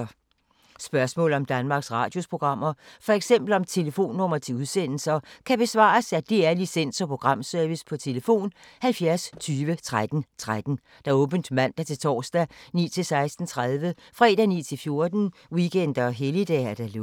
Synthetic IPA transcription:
sb̥ɶɐsmɔ̰ːlɒ̽md̥ænmɑ̈ːɡ̥sʁɑ̈ːd̥jo̝spʰʁo̝ɡ̥ʁɑ̈m̰ɐfɒ̽eɡ̥sem̰b̥l̩ɒ̽mt͡sʰe̝ləfo̝̰ːnːɔ̽m̰ɐt͡sʰe̝uð̞ˠsen̰l̩sɐkʰæb̥e̝sʋɑ̰̈ːsæd̥e̝æɐlisen̰sɒ̽pʰʁo̝ɡ̥ʁɑ̈m̰sœɐʋispʰɒ̽t͡sʰe̝ləfo̝̰ːnhælfjæɐst͡sʰyːʋət͡sʰʁad̥n̩t͡sʰʁad̥n̩ | d̥æ̈ɔ̽ːb̥ən̩d̥mæn̰d̥æt͡sʰe̝lt͡sʰɒ̰ːsd̥ænḭːt͡sʰe̝lsɑ̈ɪsd̥n̩t͡sʰʁaðˠʋəfʁɛ̰ːɾ̥ænḭːt͡sʰe̝lfjo̝ɐd̥n̩ | wiɡ̥en̰d̥ɐɒɦelid̥ɛ̰æɐd̥æl

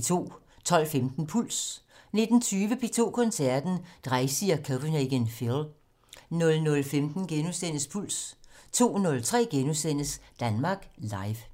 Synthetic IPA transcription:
t͡sʰo̝̰ː | t͡sʰɒ̽l̰femd̥n̩pʰul̰s | ne̝d̥n̩t͡sʰyːʋəpʰe̝t͡sʰo̝̰ːkʰɒ̽nsæɐd̥n̩d̥ʁaɪsiɐkʰob̥əneɡ̥enfil | nɔ̽lnɔ̽lfemd̥n̩ɡ̥enusen̰əspʰul̰st͡sʰo̝̰ːnɔ̽lt͡sʰʁɛ̰ːɡ̥enusen̰əsd̥ænmɑ̈ːɡ̥lɑ̈ɪʋ

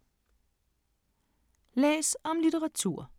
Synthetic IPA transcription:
lḛːsɒ̽mlit͡səʁɑ̈t͡sʰṵɐ̰

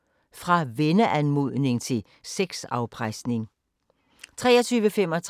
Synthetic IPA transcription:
fʁɑ̈ʋenəʔænmuð̰ˠne̝ŋt͡sʰe̝l | seɡ̥sɑ̈ʊpʰʁaɪsne̝ŋ | t͡sʰʁɛːɐt͡sʰyːʋəfem̰ɒ̽t͡sʰ

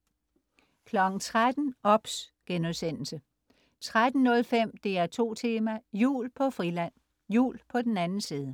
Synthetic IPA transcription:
kʰlɒ̽ɡ̥̩t͡sʰʁad̥n̩ɒ̽b̥sɡ̥enuðˠsen̰l̩sə | t͡sʰʁad̥n̩ːɔ̽lfem̰d̥e̝æɐt͡sʰo̝̰ːt͡sʰe̝ːmæjṵːlpʰɒ̽fʁilæn̰ | jṵːlpʰɒ̽d̥enænn̩siːð̞ˠə

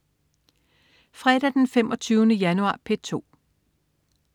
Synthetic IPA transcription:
fʁɛd̥æd̥enfem̰ʔɒ̽t͡sʰyːnəjænuɑ̰̈ːpʰet͡sʰo̝̰ː

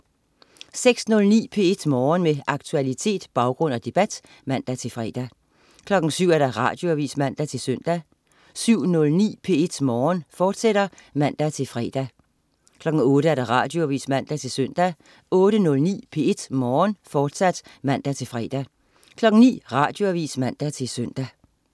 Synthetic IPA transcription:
seɡ̥snɔ̽lnḭːpʰe̝e̝d̥mɒːnmeʔɑ̈ɡ̥t͡sʰuælit͡sʰe̝̰ːd̥b̥ɑ̈ʊɡ̥ʁɔ̽n̰ɒd̥e̝b̥æd̥ | mæn̰d̥æt͡sʰe̝lfʁɛ̰ːd̥æ | kʰlɒ̽ɡ̥ŋ̩syʊ̰æɐɾ̥ɑʁɑ̰̈ːd̥jo̝æʋḭːsmæn̰d̥æt͡sʰe̝lsœn̰d̥æ | syʊ̰nɔ̽lnḭːpʰe̝e̝d̥mɒːnfɒːd̥seɾ̥ɐmæn̰d̥æt͡sʰe̝lfʁɛ̰ːd̥æ | kʰlɒ̽ɡ̥ŋ̩ɔ̽ːɾ̥əæɐɾ̥ɑ̈ʁɑ̈ːd̥jo̝æʋḭːsmæn̰d̥æt͡sʰe̝lsœn̰d̥æ | ɔ̽ːɾ̥ənɔ̽lnḭːpʰe̝e̝d̥mɒːnfɒːd̥sæd̥mæn̰d̥æt͡sʰe̝lfʁɛ̰d̥æ | kʰlɒ̽ɡ̥ŋ̩nḭːʁɑ̈ːd̥jo̝æʋḭːsmæn̰d̥æt͡sʰe̝lsøn̰d̥æ

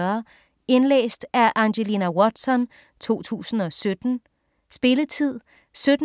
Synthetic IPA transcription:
ɐ | e̝nlḛːsd̥æʔɑ̈ŋɕelinæwɒd̥sɒ̽n | t͡sʰo̝̰ːt͡sʰṵːsn̩ɒ̽sød̥n̩ | sb̥e̝lət͡sʰið̰ˠ | sød̥

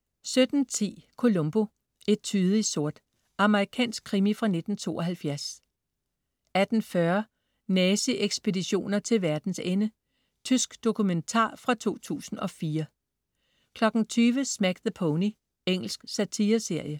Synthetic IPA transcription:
sød̥n̩t͡sʰḭːkʰo̝lo̽mb̥o̝ | e̝d̥̚t͡sʰyðˠiso̝ɐ̰d̥ | ɑ̈məʁikʰɛ̰ːnsɡ̥̚kʰːʁimifʁɑ̈ne̝d̥n̩t͡sʰo̝̰ːʔɒ̽ɦælfjæɐs | æd̥n̩fɶɐ | nɛːsiʔeɡ̥sb̥e̝diɕo̝̰ːnɐt͡sʰe̝lʋæɐd̥n̩senə | t͡sʰysɡ̥d̥o̝kʰument͡sʰɑ̰̈ːfʁɑ̈t͡sʰo̝̰ːt͡sʰṵːsn̩ɒ̽fiːɐ | kʰlɒ̽ɡ̥n̩t͡sʰyːʋəsmæɡ̥ðəpʰɔʊni | eŋ̰l̩sɡ̥sæt͡sʰiːɐse̝ɐ̰jə

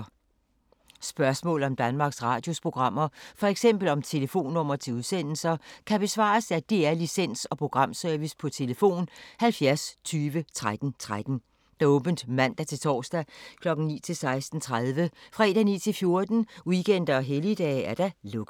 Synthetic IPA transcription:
sb̥ɶɐsmɔ̰̽ːlɒ̽md̥ænmɑ̈ːɡ̥sʁɑ̈ːd̥jo̝spʰʁo̝ɡ̥ʁɑ̈m̰ɐfɒ̽eɡ̥sem̰b̥l̩ɒ̽mt͡sʰe̝ləfo̝̰ːnːɔ̽m̰ɐt͡sʰe̝uðˠsen̰l̩sɐkʰæb̥e̝sʋɑ̰̈ːsæd̥e̝æɐlisen̰sɒ̽pʰʁo̝ɡ̥ʁɑ̈m̰sœɐʋispʰɒ̽t͡sʰe̝ləfo̝̰ːnhælfjæɐst͡sʰyːʋət͡sʰʁad̥n̩t͡sʰʁad̥n̩ | d̥ɑɔ̽ːb̥n̩d̥mæn̰d̥æt͡sʰe̝lt͡sʰɒ̰ːsd̥ækʰlɒ̽ɡ̥n̩nḭːt͡sʰe̝lsɑ̈ɪsd̥n̩t͡sʰʁaðˠʋəfʁɛ̰d̥ænḭːt͡sʰe̝lfjo̝ɐd̥n̩iɡ̥en̰d̥ɐɒ̽ɦelid̥ɛ̰ːæɐd̥ælɔ̽ɡ̥

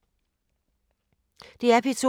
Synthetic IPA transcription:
d̥e̝æɐpʰit͡sʰo

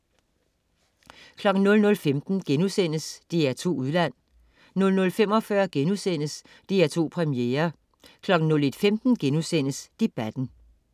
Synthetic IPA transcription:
kʰlɒ̽ɡ̥n̩nɔ̽lnɔ̽lfemd̥n̩ɡ̥enusen̰əsd̥iæt͡sʰo̝̰ːuðˠlæn̰ | nɔ̽lnɔ̽lfem̰ɒ̽fɶɐɡ̥enusen̰əs | d̥iæɐt͡sʰo̝̰ːpʰʁɛmijḛːɐ | kʰlɒ̽ɡ̥n̩nɔ̽le̝d̥femd̥n̩ɡ̥enusen̰əsd̥e̝b̥æd̥n̩

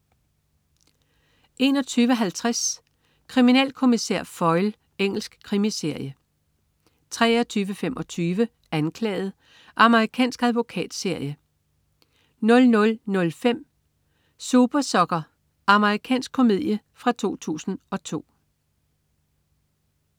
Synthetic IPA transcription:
ʔe̝nɒ̽t͡sʰyːʋəɦælt͡sʰʁas | kʰʁiminɛ̰ːlkʰo̝miseɐ̰fɒ̽ɪl | eŋ̰l̩sɡ̥kʰʁimise̝ɐ̰jə | t͡sʰʁɛ̰ːɒt͡sʰyːʋəfemɒ̽t͡sʰyːʋə | ænkʰlɛ̰ːð̞̩ˠ | ʔɑ̈məʁikʰɛ̰ːnsɡ̥æðˠʋo̝kʰɛ̰ːd̥se̝ɐ̰jə | nɔ̽lnɔ̽lnɔ̽lfem̰ | sub̥ɐsɒ̽ɡ̥ɐ | ʔɑ̈məʁikʰɛ̰ːnsɡ̥̚kʰo̝mið̰ˠjə | fʁɑ̈t͡sʰo̝̰ːt͡sʰṵːsn̩ɒ̽t͡sʰo̝̰ː

